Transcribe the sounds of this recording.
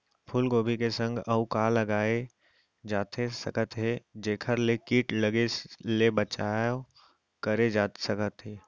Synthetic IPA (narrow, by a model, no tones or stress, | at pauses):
pʰʊlɡoːbʱikesə̃ŋɡɐukaːlɐɡaːe | d͡ʒaːt̪ʰesəkət̪ɦed͡ʒeːkʰəɾlekiːʈləɡelebət͡ʃaːjo | kəɾed͡ʒaːt̪səkət̪ɦeː